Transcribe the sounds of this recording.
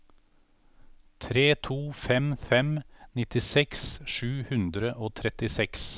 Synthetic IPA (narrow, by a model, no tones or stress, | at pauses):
t̪ʰɾeːt̪ʰuːfɛmfɛmnɪt̪ɪsɛksʃʉːhʉnd̪ɾəʔoːt̪ʰɾɛt̪ɪsɛks